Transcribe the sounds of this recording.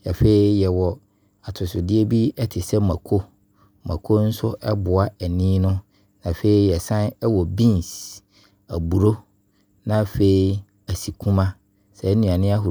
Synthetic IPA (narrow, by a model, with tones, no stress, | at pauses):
ja˨fe˦i˦jɛ˨wɔ˨ | a˨tʰʊ˨sʊ˨dɪ˦e˦bi˦ɛ˦tʰɪ˨sɛ˦mã˨kʰo˦ | mã̰˨kʰo˦n̩˦sʊ˦ʔɛ˦bʊ˨a˦æ˨nĩː˦nʊ̃˦ | nã˨fe˦i˦jɛ˨sã˦nɛ˦wɔ˨bĩ˦ns | æ˨bu˨ɾo˦ | nã˦fe˨i˦ | æ˨si˨kʰũ˦mã˦ | sɛ˨˦nũ˨ã˨nɪ̃˦a˦ɦʊ˨